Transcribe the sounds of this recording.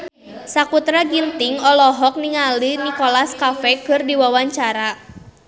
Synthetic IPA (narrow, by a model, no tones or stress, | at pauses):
sakut̪ɾaɡint̪ɪŋɔlɔɦɔk̚niŋalinikolaskafɛkɨrdiwawaɲt͡ʃaɾa